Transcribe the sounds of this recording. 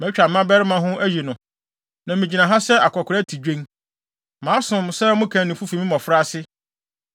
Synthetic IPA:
mɛ̃˨˦t͡ɕᶣa˨m˨˦ã˦bɛ˦ɾɪ˦mã˨ɦʊ̃˦ʔæ˦je˨nʊ̃˨ | nã˨mĩ˨d͡ʑi˨nã˨ɦã˦sɛ˦a˨kʰɔ˨kʰʊ˨ɾæ˦tʰi˨d͡ʑᶣẽ˦ŋ | mãː˨˦sʊ̃˨msɛ˦mʊ̃˦kʰã˨nɪ̃˨fu˦fi˨mĩ˦mɔ̃˨fɾa˦sɪ˦

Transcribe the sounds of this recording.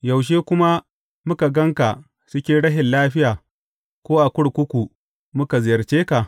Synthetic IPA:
jɐ˨wʃ̬eː˦kʷʊ˦ma˦ | mʊ˦ka˨ɡɐ˦ŋka˨ | sʊ˦kʲeː˦ɽɐ˦ɦɪ˨nlaː˦ɸɪ˦jaː˨ | kʷoː˦ʔa˨kʷʊ˦ɽkʷʊ˦kʷu˨ | mʊ˦ka˨zɪ˨jɐ˨rt͡ʃeː˦ka˨ʔ

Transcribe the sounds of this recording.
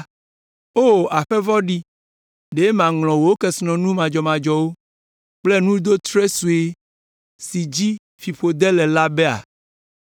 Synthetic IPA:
o˦a˨ɸɛ˦vɔ˦ɖi˦ | ɖe˨˦mã˨ŋlɔ̃˨wo˨wo˦kɛ˦snɔ̃˨nũ˦mã˨d͡ʒɔ˨mã˨d͡ʒɔ˨wo˦ | k͡plɛ˦nũ˦d̪o˦t̪ɾe˦su˨e˦ | si˨d͡ʑi˦ | fi˨ɸo˨d̪ɛ˦lɛ˨la˦bɛ˦a̰˨

